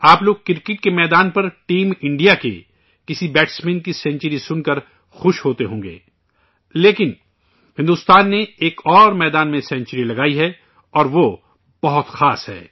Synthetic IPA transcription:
aːploːɡ̚kɪɾkɪʈ̚kemɛːd̪aːnpɐɾʈiːmɪ̃ɳɖijakḛ | kɪsibɛːʈsmẽːnkisɛ̃ːnt͡ʃɾisʊnkɐɾ | xʊʃɦoːt̪eɦõːŋɡḛː | leːkɪn | hɪ̃nd̪uːst̪aːnːeeːkɔːɾmɛːd̪aːnmẽsɛ̃nt͡ʃəɾilɐɡaːiɦɛ | ɔːɾʋo | b̥ɐɦʊt̪xaːsɦɛ̰ː

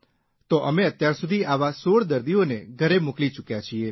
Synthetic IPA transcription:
t̪oʔəmeət̪jaɾsud̪ʱiaʋasoɭd̪əɾd̪ioneɡʱəɾemuklit͡ʃukjat͡ʃʰie

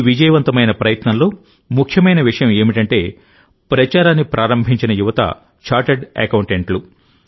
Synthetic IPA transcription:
ʋid͡ʒɐjɐʋɐnt̪ɐmɐjnɐpɾɐjɐt̪nɐnlo̞ː | mukʰjɐmɐjnɐʋiʂɐjɐme̞ːmiʈɐɳʈe̞ː | pɾɐt͡ʃaːɾaːnːipɾʔaːɾɐmbʱiɲt͡ʃinɐjuʋɐt̪ɐ̰ | t͡ʃaːɾʈeɖɛ̰kɐwuɳʈeɳʈlu

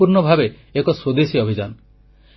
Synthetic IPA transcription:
uɾɳɔbʱabe | ekɔswod̪esiɔbʱid͡ʒanɔ

